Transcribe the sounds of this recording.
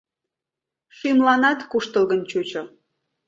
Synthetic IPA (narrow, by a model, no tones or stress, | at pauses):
ʃimlɑnɑt̪kuʃt̪əlɣənt͡ɕut͡ɕo